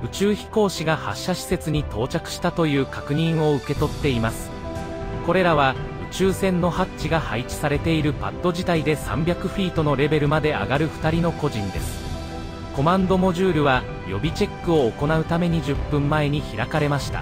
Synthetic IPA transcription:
ɯ̟t͡ɕɨːçi̥ko̞ːɕiɡaha̰ɕːaɕi̥se̞t͡sɨɲ̟it̪o̞ːt͡ɕakɯ̟̥ɕi̥t̪at̪o̞jɯ̟ːkakɯ̟ɲ̟ĩɰ̃o̞ɯ̟ke̞t̪o̞t̪ːe̞imasɨ̥ | ko̞ɾe̞ɾaβ̞aɯ̟t͡ɕɨːsẽ̞nːo̞hat͡ɕːɕiɡahait͡ɕi̥saɾe̞t̪e̞iɾɯ̟pa̰t̪ːo̞ʑit̪aid̪e̞sã̰mbʲjakɯ̟ɸʲiːt̪o̞no̞ɾe̞be̞ɾɯ̟mad̪e̞a̰ɡaɾɯ̟ɸɯ̟̥t̪aɾʲino̞ko̞ʑĩnd̪e̞sɨ̥ | ko̞mãnd̪o̞mo̞ʑɨːɾɯ̟βa | jo̞bʲit͡ɕe̞kːɯ̟o̞ːko̞naɯ̟t̪ame̞ɲ̟id͡ʑɨpːɯ̟̃mːae̞ɲ̟içiɾakaɾe̞maɕi̥t̪a̰

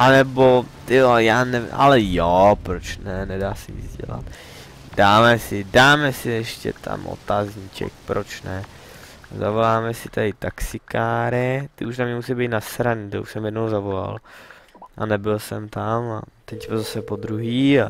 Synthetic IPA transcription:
ʔanɛbot̪ɪojaːnɛvɪ̰mʔa̰lɛjopɾot͡ʃnɛnɛdaːsɛɲɪ̰d͡zɟɛ̰la̰t̪ | daːmɛsɪdaːmɛsɪɛʃcɛ̰t̪ʰa̰mʔo̰t̪azɲiːt͡ʃɛ̰k̚pɾʔot͡ʃnɛ | za̰volaːmɛsɪt̪ʰadɪt̪aksɪkaːɾɪt̪ɪuʃnamɲɛmusɛjbɛjt̪nasɾaɲɪt̪oṵʃsɛmjɛdnowzavola̰l | ʔa̰nɛbɪlsɛmt̪amat̪ɛcbɪlzasɛpod̪ɾuɦiːa

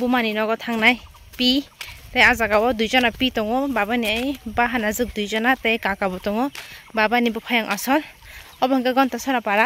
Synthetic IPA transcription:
bumaninɔɡɔtʰaŋnaj | pitejazaɡawɔdujzɔnapitɔŋɔbabaniajbaɦanazɯk̚dujzɔnatejkakabɔtɔŋɔbabanibɔpʰɔjaŋʔasɔl | ɔbɔŋkaɡɔntasɔɾapaɾa

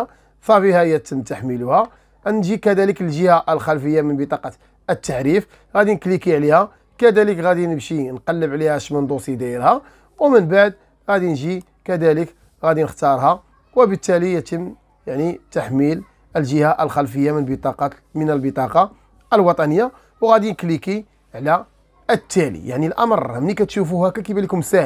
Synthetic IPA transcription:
sˤɑfihæjæt̪əmːt̪aħmiluhæ | nʒikæd̪æləkəlʒəhaʔəlxælfəjːamənbət̪ˤɑqɑ | ət̪ːaħɾif | ɣæd̪inəklikiʕlihæ | kæd̪æləkɣæd̪inəbʃinqɑlːəbʕlihæʃmənd̪ˤusˤid̪iəɾhæ | wmənbaʕd̪̚ | ɣæd̪inʒi | kæd̪ælək | ɣæd̪inəxt̪ɑɾˤhɑ | wəbət̪ːælijt̪əmː | jaʕnit̪aħmil | əlʒəhaʔəlxælfəjːamənbət̪ˤɑqɑ | mənəlbət̪ˤɑqɑ | əlwɑt̪ˤɑnəjːa | wɣæd̪inəkliki | ʕlæ | ət̪ːælḭjaʕnilʔɑmərˤmnikæt̪ʃufuhækækibælikʊmsæ

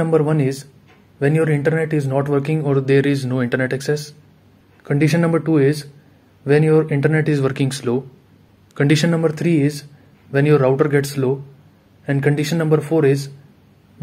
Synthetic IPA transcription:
ɐ̃mbəɾʋʌ̃nɪz | ʋɛ̃njoːɾɪ̃ɳʈəɾneʈɪznɔːʈʋəɾkɪ̃ŋɡɔːɾd̪eːɾɪznoːɪ̃ɳʈəɾneʈɛksɛs | kə̃ɳɖɪʃə̃nːʌ̃mbəɾʈuːɪz | ʋɛ̃njoːɾɪ̃ɳʈəɾneʈɪzʋəɾkɪ̃ŋsloː | kə̃ɳɖɪʃə̃nːʌ̃mbəɾt̪ʰɾiːɪz | ʋɛ̃njoːɾaʊʈəɾɡɛʈsːloː | ɛ̃ɳɖkə̃ɳɖɪʃə̃nːɐ̃mbəɾfoːɾɪz

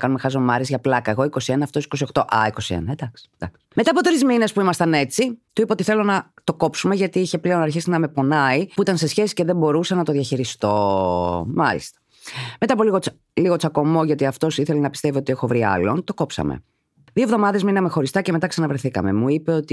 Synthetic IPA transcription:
kɐnume̞xɐzomɐɾizʝɐplɐkɐeɣo̞iko̞sienɐːft̪o̞si̥ko̞sio̞xt̪oʔɐ̰iko̞siḛnɐed̪ɐksi̥d̪ɐks | meɐːpo̞t̪ɾizmine̞spuimɐst̪ɐne̞t͡sit̪uipɐot̪iθe̞lo̞nɐ | t̪o̞ko̞psume̞ʝɐt̪iiçe̞ple̞o̞nɐɾçisinɐme̞po̞nɐipuit̪ɐnse̞sçe̞si̥ce̞ðe̞bo̞ɾusɐnɐt̪oðʝɐçiɾist̪o̞ | mɐlḭst̪ɐ̥ | me̞t̪ɐpo̞liɣot͡s | liɣo̞t͡sɐko̞mo̞ʝɐt̪iɐft̪o̞siθe̞lenɐpist̪evio̞t̪iexo̞vɾiɐ̰lo̞nt̪o̞ko̞psɐ̰mḛ | ðio̞vðomɐðe̞zminɐme̞xo̞ɾist̪ɐceme̞t̪ɐksɐnɐvɾeθikɐ̰me̞̰muipeot̪i

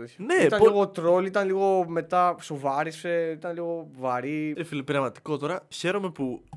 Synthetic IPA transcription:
neit̪ɐniɣot̪ɾo̞lit̪ɐnliɣo̞me̞t̪ɐsovɐɾiseit̪ɐnliɣo̞vɐɾifilpiɾɐvmɐt̪i̥ko̞t̪o̞ɾɐçe̞ɾome̞pu

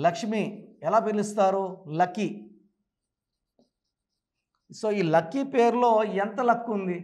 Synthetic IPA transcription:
lɐkʂmiɛlaːpilist̪aːɾulɐkːi | so̞ːiːlɐkːipe̞ːɾulo̞ːɛnt̪ɐlɐkːund̪i

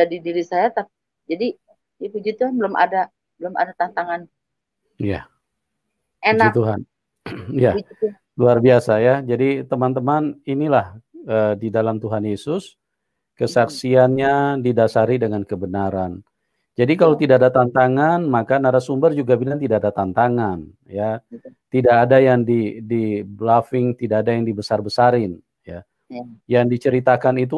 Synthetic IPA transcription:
d͡ʒadidiɾisajat̪ap̚ | d͡ʒadi | apid͡ʒut̪uɦanbəlʊma̰da | bəlʊma̰dat̪ant̪aŋan | ja̰ | end͡ʒat̪uɦan | jad͡ʒa | luarbiasajad͡ʒadit̪əmant̪əmaninilahədidalamt̪uɦanjesʊs | kəsaksianɲadidasaɾidəŋankəbənaɾan | d͡ʒadikalat̪idaadat̪ant̪aŋanmakanaɾasumbərd͡ʒuɡabinant̪idaʔadat̪ant̪aŋan | jat̪idaːdajaŋdidiblafɪŋt̪idaːdajaŋdibəsarbəsaɾɪn | ja | jaŋdit͡ʃəɾit̪akanit̪̬u

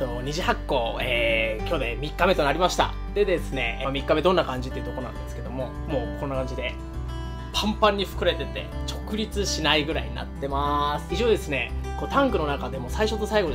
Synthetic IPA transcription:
tonoɲ̟iʑihakːo̞ːeːkʲo̞ːd̪e̞mʲikːame̞t̪o̞naɾʲimaɕi̥t̪a̰ | d̪̥e̞d̪e̞sɨne̞̰mʲikːame̞d̪õ̞nːakãɲ̟d͡ʑit̪eiɯ̟t̪o̞konã̰nd̪sɨ̥ke̞d̪o̞mo̞ | mo̞ːkʰõ̞nːakãɲ̟d͡ʑid̪e̞ | pʰãmpãɲ̟ːiɸɯ̥kɯ̟ɾe̞t̪e̞t̪e̞̰t͡ɕo̞kɯ̟ɾʲit͡sɨɕinaiɡɯ̟ɾa̰ḭɲ̟ḭna̰t̪ːe̞masɨ̥iʑo̞ːd̪e̞sɨne̞koːt̪ãŋkɯ̟no̞nakad̪e̞mo̞saiɕo̞t̪ːo̞saiɡo̞

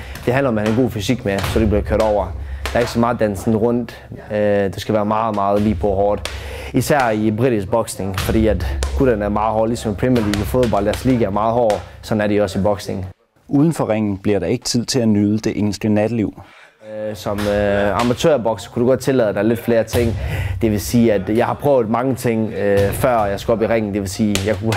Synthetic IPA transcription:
d̥e̝ɦænlɐɒ̽mæhænenɡo̝̰ːfysiɡ̥mesɒ̽ɾ̥ib̥liɐkʰøɐ̰ɾ̥ɒʊ̰ɐd̥ɑ̈ɐe̝ɡ̥əsɒ̽mɑ̈ːð̩ˠd̥æn̰sn̩ʁɔ̽n̰d̥ | d̥esɡ̥æʋæːɐmɑ̈ːð̩ˠmɑ̈ːð̞̩ˠliːpʰɒɦɒːd̥ | isæɐ̰ibʁiɾ̥isɡ̚b̥ɒ̽ɡ̥sne̝ŋfɒ̽d̥ḭːæd̥ɡ̥udænæɐmɑ̈ːð̩ˠhɒ̰ːlisɒ̽mpʰʁ̥imiɐlḭːɡ̥ɒfo̝ðˠbɒ̽l̰d̥æɐsliːɡ̥əæɐmɑ̈ːðˠɦɒ̰ːsɒ̽næɐɾiɒ̽sibɒ̽ɡ̥sne̝ŋ | ʔuːðˠn̩fɒʁeŋ̰n̩b̥liɐɾɑ̈e̝ɡ̥ə̥t͡sʰið̰ˠt͡sʰe̝lænyð̞ˠəd̥e̝ʔe̝̰ːn̩sd̥lənæd̥liʊ̰ | sɒ̽mɑ̈mæt͡sʰø̰ɐbɒ̽ɡ̥skʰud̥uɡ̥ɒ̽d̥̚t͡sʰe̝lɛðˠəd̥ɑ̈ɪle̝d̥fle̝ːɐt͡sʰe̝ŋ̰d̥e̝ʋe̝siːæd̥jɑ̈ɪhɑ̈pʰʁœʊð̩ˠmɑ̈ŋət͡sʰe̝ŋ̰fɶɐ̰jɑ̈ɪsɡ̥uɒ̽b̥iʁɛŋ̰n̩d̥e̝ʋe̝lsiːjɑ̈ɪkʰu

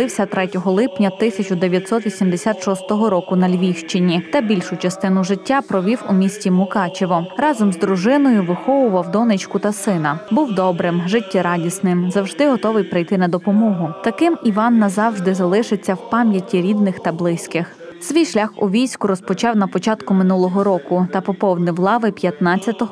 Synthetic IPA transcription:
ɪwsʲɐt̪ɾɛtʲɔɦɔlˠɪpnʲɐt̪ɪsʲɐt͡ʃʊd̪eʋʲjɐt̪ʲsɔt̪ʋʲisʲimd̪esʲat̪ʃɔst̪ɔɦɔɾɔkʊnɐlʲʋʲiwʃt͡ʃɪnʲit̪ɐbʲilʲʃʊt͡ʃɐst̪ɪn̪ʊʒɪtʲːapɾɔʋʲiwʊmʲisʲtʲimʊkɑt͡ʃeʋɔɾɑzɔmzd̪ɾʊʒɪnɔjʊʋɪxɔʋʊʋɐwd̪ɔnɪt͡ʃkʊt̪ɐsɪnɐbuwd̪ɔbɾɪmʒɪtʲːɛɾɑdʲisnɪmzɐwʒd̪ɪɦɔt̪ɔʋɪjpɾɪjt̪ɪnɐd̪ɔpɔmɔɦʊt̪ɐkɪmiʋɑnːɐzɑwʒd̪ɪzɐlˠɪʃɪt͡sʲːɐwpɑmʲjɐtʲːiɾʲid̪nɪxt̪ɐblˠɪsʲkɪx | sʋʲijʃlʲaxʊ̰ʋʲijsʲkʊɾɔspɔt͡ʃɑwnɐpɔt͡ʃɑt̪kʊmɪnulˠɔɦɔɾɔkʊt̪ɐpɔpɔwd̪nɪwlˠɑʋɪpʲjɐt̪nɑt͡sʲːɐt̪ɔɦɔ

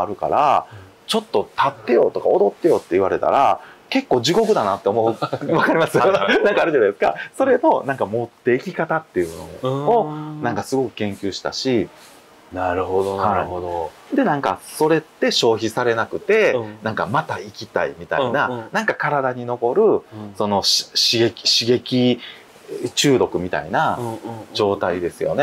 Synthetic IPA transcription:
aɾɯ̟ka̰ɾa̰ | t͡ɕo̞t̪ːo̞t̪at̪ːe̞jo̞̰ːt̪o̞ka̰o̞d̪o̞t̪ːe̞jo̞t̪ːe̞iβaɾe̞t̪a̰ɾa̰ke̞kːo̞ːʑiɡo̞kɯ̟d̪anat̪ːe̞omoβakaɾʲimasɨnãŋkaːɾɯ̟d͡ʑanaesɨ̥ka̰so̞ɾe̞no̞nãŋkamo̞t̪ːe̞ikʲikat̪at̪ːe̞jɯ̟no̞̰onãŋkasɨɡo̞kɯ̟̥kẽ̞ŋkʲɨːɕi̥t̪a̰ɕi | naɾɯohaḭod̪o | d̪e̞nãŋkaso̞ɾe̞t̪ːe̞ɕo̞ːçisaɾe̞nakɯ̟t̪e̞nãŋkamat̪aikʲit̪a̰imʲit̪a̰inanãŋkakaɾad̪aɲ̟ino̞ko̞ɾɯ̟so̞no̞ɕɕiɡe̞kʲi̥ɕiɡe̞kʲi | t͡ɕɨːɾo̞kɯ̟mʲit̪a̰inad͡ʑo̞ːt̪aid̪e̞sɨjo̞̰ne̞

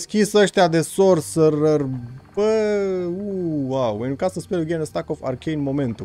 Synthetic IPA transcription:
skʲisəʃt̪ʲad̪e̞sorsərərbə | uwawenukasəspeɾuɡʲenest̪akofa̰rkʲejinmo̞me̞nt̪u

